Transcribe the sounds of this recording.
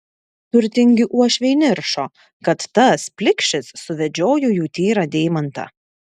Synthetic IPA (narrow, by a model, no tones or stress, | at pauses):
t̪ʊɾʲt̪ʲɪŋʲɡʲɪʔuɔʃʲʋʲɛɪnʲɪɾʃoː | kɐt̪ːɐspʲlʲɪkʃʲɪsːʊʋʲɛd͡ʒʲoːjʊjuːt̪ʲiːɾɑd̪ʲɛːɪmɐnt̪ɐ̰